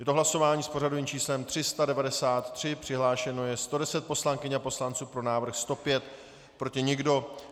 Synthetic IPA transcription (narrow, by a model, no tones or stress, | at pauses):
jɛt̪oɦlaso̞vaːɲiːspo̞rado̞viːmt͡ʃiːslɛmt̪r̝̥ɪst̪adɛvadɛsaːt̪ːr̝̥ɪpr̝̥ɪɦlaːʃɛno̞jɛst̪o̞dɛsɛt̪̚po̞slaŋkɪɲapo̞slant͡suːpɾo̞naːvɾ̩xst̪o̞pjɛt̪ | pɾo̞cɪɲɪɡdo̞